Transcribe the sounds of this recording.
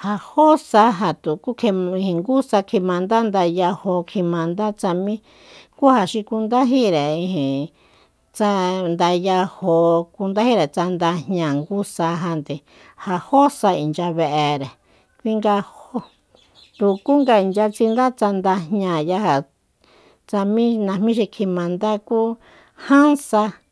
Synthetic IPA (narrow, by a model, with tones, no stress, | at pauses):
ha˧ho˦sa˧ɦa˧˨t̪u˨ku˦kʰe˧ĩ˧hĩ˧ŋɡu˦sa˧kʰi˧mã˧nd̪a˦nd̪a˧ja˧ho˧kʰi˧mã˧nd̪a˦t͡sa˧mĩ˦ | ku˦ha˧˨ʃi˧ku˧nd̪a˦ɦi˦ɾe˨ĩ˧ɦĩ˨ | t͡sa˧nd̪a˧ja˧ho˧ku˧nd̪a˦hi˦ɾe˨t͡sa˧nd̪a˧ɲɲã˧ŋɡu˦sa˧ɦa˧nd̪e˨ | ha˧ho˦sa˧i˨nd͡ʒa˧βe˧ʔe˧ɾe˨ | kʷi˦ŋɡa˧ho˧ | t̪u˧ku˦ŋɡa˧i˨nd͡ʒa˧t͡si˧nd̪a˦t͡sa˧nd̪a˧ɦɲã˧˨ja˧ɦa˨ | t͡sa˧mĩ˦nã˧mĩ˦ʃ̬i˧kʰi˧mã˧nd̪a˦kuː˦ | hã˦nsa˧